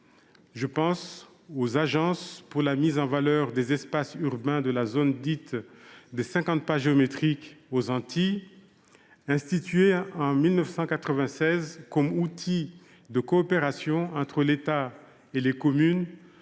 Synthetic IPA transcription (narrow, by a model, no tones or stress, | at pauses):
ʒəpɑ̃s | ozaʒɑ̃spuʁlamizɑ̃valœʁd̪ezɛspasyʁbɛ̃d̪əlazond̪it̪d̪esɛ̃kɑ̃t̪̚paʒeɔmet̪χikozɑ̃t̪ʰi | ɛ̃st̪it̪ɥeɑ̃milnəfsɑ̃kat̪χəvɛ̃sɛzkɔmut̪ʰi | d̪əkɔːpeʁasjɔ̃ɑ̃t̪χəlet̪a | elekɔmyn